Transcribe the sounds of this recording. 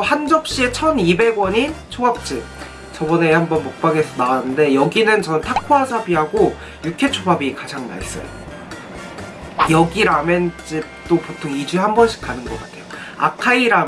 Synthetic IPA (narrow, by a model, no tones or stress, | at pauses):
hand͡ʑʌp̚ɕ͈ie̞t͡ɕʰʌnibe̞ɡwʌɲint͡ɕʰoap̚t͡ɕ͈ɯ | t͡ɕʌbʌne̞hambʌnmok̚p͈aɡesʰʌnaanɯnde̞jʌɡinɯnt͡ɕʌnɯntʰakʰwasʰabiɦaɡo | jukʰe̞t͡ɕʰobabikad͡ʑaŋma̰ɭs͈ʌ̰jo̰ | jʌɡiɾament͡ɕ͈ɯt͈opotʰoŋid͡ʑuɦambʌnɕʰi̥k͈ʰanɯnɡʌk͈atʰe̞joa̰kʰaiɾa